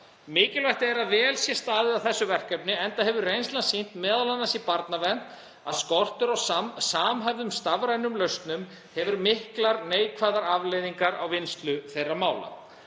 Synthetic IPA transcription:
mɪːcɪlvajht̪ɪɛɾaðvɛːlsjɛst̪aːðɪðawθɛsːʏvɛr̥kɛpnɪɛnt̪ahɛvʏrejnslansin̥t̪mɛːðalanːasipaɾt̪navɛn̥t̪ | a̰ðskɔr̥t̪ʏɾawsasaːmɦajvðʏmst̪avɾajnʏmlœst̪nʏm | hɛvʏɾmɪhklaɾneːjkʰvaːðaɾavlejðiŋkaɾawvɪnst̪lʏθejrːamaːwla̰

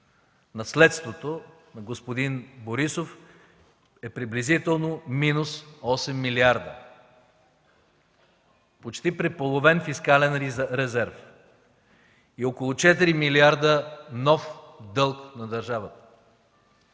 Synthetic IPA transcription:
nɐslɛt̪st̪vot̪o | nɐɡospod̪inboɾisof | ɛpɾiblizit̪ɛlˠnominusɔsɛmːiliaɾd̪ə | pot͡ʃt̪ipɾɛpolˠovɛnfiskalɛnɾɛzɛɾf | iokolˠʊt͡ʃɛt̪iɾimiliaɾd̪ənɔfd̪ɤlˠknɐd̪ɐɾʒavət̪ə̥

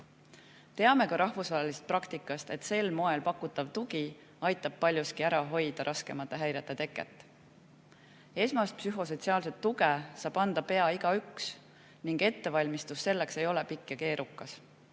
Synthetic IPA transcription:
t̪e̞ɑme̞kɑɾɑhvusvɑɦelist̪̚prɑkt̪ikːˑɑst̪e̞t̪se̞lmo̞e̞lpɑkːˑut̪ːˑɑvt̪uɡi | ɑjt̪ːˑɑb̥̚pɑlʲjuskiæɾɑɦo̞jd̪̥ɑɾʔɑske̞mɑt̪ːˑeɦæjɾet̪ːˑe̞t̪e̞kːˑḛt̪ːˑ | e̞smɑst̪psyɦo̞s̬o̞t̪siɑːlse̞t̪ːuɡesɑːb̥ɑnd̪̥ɑpe̞ɑiɡ̥ɑyks | niŋɡ̥e̞t̪ːe̞vɑlʲmist̪usːe̞lːe̞kse̞jo̞lepikːˑeke̞ːɾʔukːˑɑs

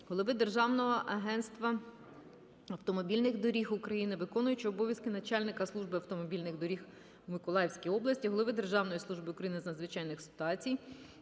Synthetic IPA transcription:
ɦɔlˠɪʋɪd̪erʒɑwnɔɦɔʔɐɦɛnt̪st̪ʋɐ | ɐwt̪ɔmɔbʲilʲnɪxd̪ɔɾʲixʊkɾɐjinɪʋɪkɔnʊjʊt͡ʃɔbɔʋjɐskɪnɐt͡ʃɑlʲnɪkɐslˠuʒbɪɐwt̪ɔmɔbʲilʲnɪɣd̪ɔɾʲix | mɪkɔlˠɑjwsʲkʲijɔblˠɐsʲtʲiɦɔlˠɪʋɪd̪e̞rʒɑwnɔjislˠuʒbɪukɾɐjinɪznɐd̪zʋɪt͡ʃɑjnɪxsɪ̥t̪ʊɑt͡sʲij

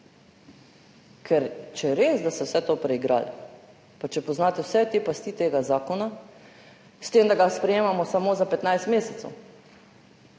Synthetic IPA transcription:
kʰɛɾt͡ʃɛɾeːzd̪ast̪ɛwsɛt̪opɾɛiɡɾa̰ːl | pat͡ʃɛpɔznaːt̪ɛwsɛt̪epast̪it̪eːɡazaːkɔna | st̪eːmd̪aɡaspɾɛjeːmamɔsamoːzapɛt̪najst̪meːsɛt̪sɛ̰w

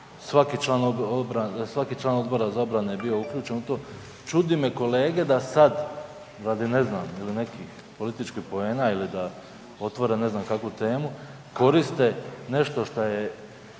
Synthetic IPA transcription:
sʋakit͡ʃlˠaːnoobɾasʋakit͡ʃlˠaːno̞d̪bo̞ɾazao̞bɾane̞jebio̞ukʎuːt͡ʃe̞nut̪o̞ː | t͡ʃud̪imje̞ko̞le̞ːɡe̞d̪asad̪ | ɾad̪ineznaːmilinekix | po̞lit̪it͡ʃkihpo̞e̞ːnailid̪a | o̞t̪ʋo̞ɾene̞znamkakʋut̪e̞ːmu | ko̞ɾist̪e̞ne̞ʃt̪o̞ʃt̪aje

